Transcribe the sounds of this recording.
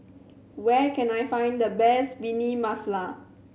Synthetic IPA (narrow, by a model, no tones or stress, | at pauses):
wɛkɛ̃najfãɪ̃nd̪əbɛsbinimasla